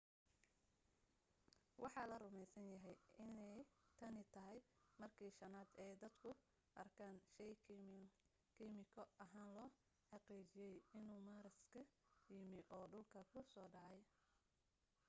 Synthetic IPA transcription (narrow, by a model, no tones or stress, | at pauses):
wʔɑħɑːlɐrʊmɛjsɐnjɐɦɛjɪnɛjt̪ʰɐnɪt̪ʰɐɦɛjmɐrkʰiːʃɐnaːd̪ɛːd̪ɐd̪kʰʊ | ʔɐrkʰaːnʃɛj | kʰimɪkʰɔʔɐɦaːnlɔː | ħɑqiːt͡ʃɪjɛjɪnuːmaːɾɪskʰɐjɪmɪʔɔːɖʊlkʰɐkʰʊsɔːɖɑʕɑj